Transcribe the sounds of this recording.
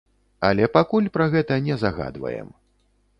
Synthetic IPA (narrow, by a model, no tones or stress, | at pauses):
ɐlʲɛpakulʲpɾɐɣɛt̪ɐnʲɛzaɣa̰d̪vɐ̰jɛ̰m